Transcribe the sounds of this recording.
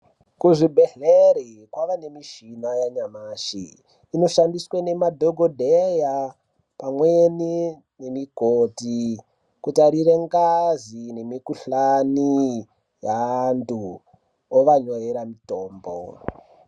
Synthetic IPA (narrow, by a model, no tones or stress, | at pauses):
kuʐibʱeɮeɾi | kwaʋane̞miʃinajaɲamaːʃḭː | no̞ʃandiswane̞madʱoɡʱodʱeja | pamweni | ne̞miɡʱoti | kutaɾireŋɡazine̞mikuɬani | jantu | oʋaɲojeɾamitoːmbo̰